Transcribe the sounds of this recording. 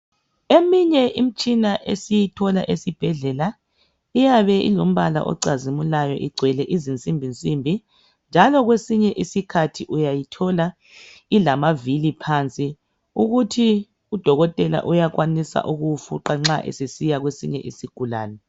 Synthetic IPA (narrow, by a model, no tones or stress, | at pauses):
emiɲɛʔim̩t͡ʃʼinaʔesijitʰɔla̰ʔesib̥ʱɛɮɛla | ijaβɛḭlom̩βala̰ʔɔ̰ǀazimulajɔ̰ʔiɡ͡ǀʱwɛlɛʔizint͡sʼimbʱint͡sʼimbʱi | nd͡ʒʱalɔɣwesiɲɛʔisikʰatʰiʔujajitʰɔla | ilamavilipʰant͡sʼi | uɣutʰi | ud̥ʱɔɣɔtʼɛla̰ʔujaɣwanisa̰ʔuɣufṵǃaŋ͡ǁaʔḛsisijaɣwesḭɲɛ̰ʔisiɡ̥ʱula̰ːnɛ